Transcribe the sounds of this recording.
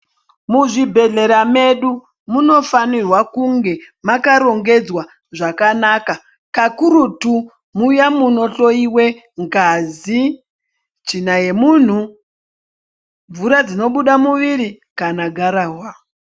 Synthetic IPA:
muʐibʱe̞ɮe̞ɾame̞ɗu | muno̞fanirwakuŋɡe̞ | makaɾo̞ŋɡe̞d͡zwa | ʐakanaka | kakuɾutu | mujamuno̞ɬo̞iwe̞ | ŋɡazi | t͡ʃinaje̞mun̤u | ɱvuɾad͡zino̞ɓuɗamuʋiɾi | kanaɡʱaɾaːwa

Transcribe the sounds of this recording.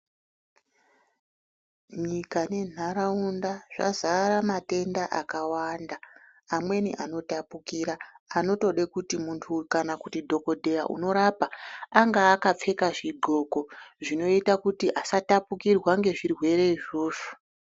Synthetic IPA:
ɲikane̞n̤ʱaɾaundaʐ̥a̰zaɾamate̞ndaʔakawandaː | mwe̞nḭʔano̞tapukiːɾaːno̞to̞ɗekutimuntʰukanakutidʱo̞ko̞dʱe̞jaʔṵno̞ɾapaːŋɡaːkap͡fe̞kaʐiɡ͡ǃʱo̞ːko̞ʐino̞itakutiʔasatapukirwaŋɡe̞ʐirwe̞ɾe̞iʐo̞ːʐu̥

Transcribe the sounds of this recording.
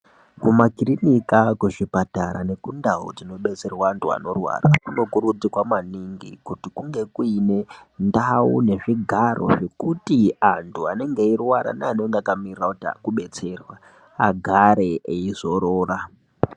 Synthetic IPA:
kumakirinikakwuʐipataɾa̰ne̞kundaṵd͡zino̞ɓe̞t͡se̞rwaːntʰua̰no̞rwa̰rakuno̞kuɾud͡zikwamaniŋɡḭkutikuŋɡe̞kuine̞ndaune̞ʐiɡʱaɾʔo̞̰ʐe̞kutiantʰuane̞ŋɡeirwaɾa̰neane̞ŋɡeakamirirakutia̰kuɓe̞t͡se̞rwa | aɡʱaɾe̞eizo̞ɾoːra

